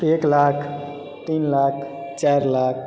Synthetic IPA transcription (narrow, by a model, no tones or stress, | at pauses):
eklakʰ | t̪inlakʰ | t͡ʃaɾlak̚ʰ